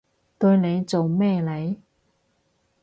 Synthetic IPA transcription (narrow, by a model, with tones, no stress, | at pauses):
t̪ɵ˧ɥne˨˧jt͡so˨wmɛː˥˧le˨˧j